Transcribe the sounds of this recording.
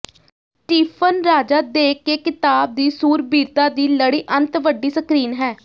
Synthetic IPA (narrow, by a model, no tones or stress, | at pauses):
ʈiːpʰənɾaːd͡ʒaːd̪eːkeːkɪt̪aːb̚d̪iːsuːɾbiːɾt̪aːd̪iːləɽiːʔənt̪ʋəɖiːsəkɾiːnɦɛː